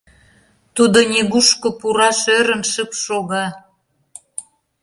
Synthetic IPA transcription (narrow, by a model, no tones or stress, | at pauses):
t̪ud̪onʲeɣuʃkopuɾɑʃøɾə̆nʃəpʃoɣɑ